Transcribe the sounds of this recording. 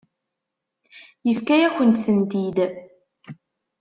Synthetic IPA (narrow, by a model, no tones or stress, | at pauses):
jəfkæjækʷːənt̪θənd̪id̪